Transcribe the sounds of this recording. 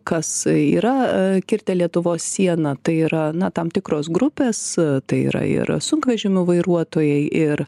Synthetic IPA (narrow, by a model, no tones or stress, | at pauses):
kɐsiːɾɐkʲɪɾʲt̪ʲɛlʲiɛt̪ʊʋoːssʲiɛnɐt̪ɐɪiːɾɐnɐt̪ɐmt̪ʲɪkɾoːsɡɾʊpʲeːst̪ɐɪḭːɾɐ̰ɪ̰ɾsʊŋkʋʲɛʒʲɪmʲʊʋɐɪɾuɔt̪oːjɛɪʔɪɾ